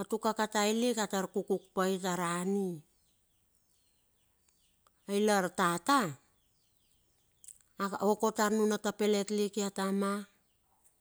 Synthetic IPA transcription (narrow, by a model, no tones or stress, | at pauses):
atukakatajlikataɾkukuk̚pajtaɾani | ajlaɾtata | oko̞taɾnunatape̞letlikiatama